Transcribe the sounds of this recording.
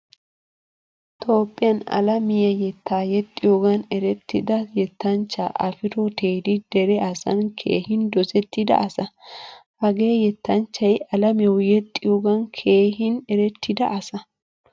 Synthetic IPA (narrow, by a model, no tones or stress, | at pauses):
t̪ʰʼo̞ːpʼːɪjɐnɐ̰lɐmɪjɐjɛt̪ːaːjɛt̪ʼːɪjoːɡɐnɛɾɛt̪ʰːɪd̪ɐjɛt̪ːɐnt͡ʃːa̰ːʔɐ̰fɪɾɔt̪eːd̪ɪd̪̥ɛɾɛɐsɐ̰nkʰe̞̰ːhɪnd̪ɔzɛt̪ːɪd̪ɐ̰ʔɐsɐhɐɡe̞ːjɛt̪ːɐnt͡ʃːɐjɐlɐmɪɛwjɛt̪ʼːɪjoːɡɐnkʰe̞ːɦɪnɛɾɛt̪ʰːɪd̪ɐ̰ʔɐsɐ